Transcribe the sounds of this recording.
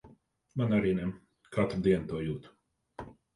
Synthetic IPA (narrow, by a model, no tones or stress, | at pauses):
manaɾiːnɛ | kʰat̪ɾud̪iɛnt̪uɔjuːt̪u̥